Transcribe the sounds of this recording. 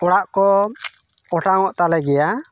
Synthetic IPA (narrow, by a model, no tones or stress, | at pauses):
ɔɽaʔkɔ | ɔʈaŋɔʔt̪alɛɡɛja